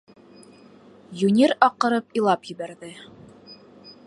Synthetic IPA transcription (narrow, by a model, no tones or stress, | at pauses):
junʲiɾɑqːɤ̆ɾɤpilˠɑpjɘ̆βæɾðɘ